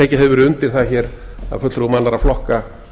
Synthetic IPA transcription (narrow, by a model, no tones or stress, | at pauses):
eːjcɪɦɛvʏɾʏnt̪ɪɾθaçɛɾ | a̰fœt̪ɾumanlaɾaflɔhka